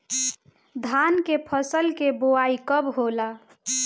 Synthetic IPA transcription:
d̪ʱankepʰəsəlkeboaikəbɦola

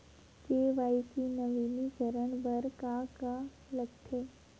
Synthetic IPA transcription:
keʋaikinəʋiniɡʱəɾəɳbəɾkaka | ləɡt̪ʰe

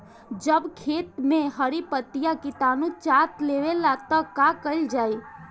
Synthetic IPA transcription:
d͡ʒəbkʰet̪mẽɦəɾipət̪ijakit̪anũt͡ʃat̪leʋelat̪ɔkakəɪld͡ʒaːi

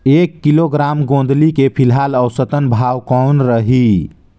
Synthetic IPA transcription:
ekːiloɡɾamɡõnd̪ʱlikepʰilɦaləwsət̪ənbʱawkɔnɾəɦi

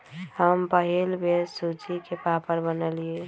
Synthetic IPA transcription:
həmpəɦilbesut͡ʃikepapəɾbənəlie

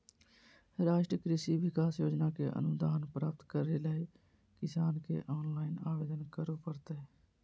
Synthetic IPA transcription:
ɾaːʃʈɾəkɾɪsiʋɪkaːsjoːd͡ʒnakeʔə̰nʊd̪aːnpɾaːpt̪kəɾeləːi | kɪsaːnkḛʔɔːnlaːɪnaːʋeːd̪ənkəɾopəɾt̪eɛː

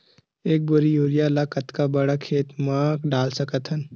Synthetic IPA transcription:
eːk̚bʊɾijuːɾijalaːkɐt̪kabɐɽakʰeːt̪mãːkɖaːlsɐkət̪ɦɐn

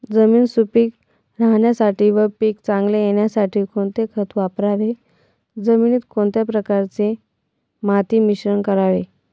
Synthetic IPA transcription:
d͡zəmiːnsupiːk | ɾaɦɳjasaʈiːʋəpiːkt͡sãŋɡlejeɳjasaʈʰiːkõɳt̪ekʰət̪ʋapɾaʋe | d͡zəminiːt̪koɳt̪japɾəkaɾt͡se | mat̪iːmiɕɾəɳkəɾaʋe

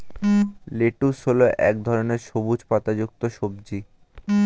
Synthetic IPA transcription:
leʈusɦoloʔɛkd̪ʱɔɾoneɾʃobud͡ʑpat̪ad͡ʑuk̚t̪oʃobd͡ʑi

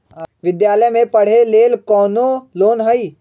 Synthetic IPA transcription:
ʋɪd̪jaːləjmẽpɐɽ̤eleːlkɔːnoloːnɦəiː

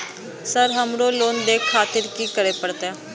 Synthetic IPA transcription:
səɾɦəmɽoːloːnd̪eːkʰaːt̪ɪɾkiːkəɾeːpəɽt̪aː

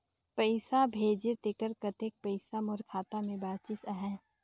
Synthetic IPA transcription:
pəɪsabʱeːd͡ʒet̪ɪkəɾkət̪ek̚pəɪsamʊɾkʰaːt̪amẽbaːt̪t͡ʃɪsəɦɛ̃ː

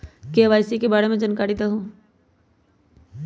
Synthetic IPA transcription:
keɐʋaːjsikebaːɾemẽd͡ʒɐnkaːɾit̪aɦũː

